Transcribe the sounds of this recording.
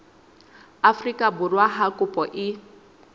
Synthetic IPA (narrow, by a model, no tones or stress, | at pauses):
afrikʼabʊrwaɦakʼupʼɔʔɪ